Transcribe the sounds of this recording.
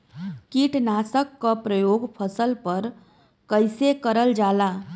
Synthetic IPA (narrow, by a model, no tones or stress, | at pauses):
kiʈnaːsəkːapɾəjoːɡpʰəsəlpəɾ | kəɪsekəɾəld͡ʒaːla